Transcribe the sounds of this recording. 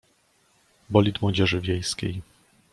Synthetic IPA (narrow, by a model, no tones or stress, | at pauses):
bɔlʲit̪mwɔd͡ʑɛʐɘvʲjejskʲḛj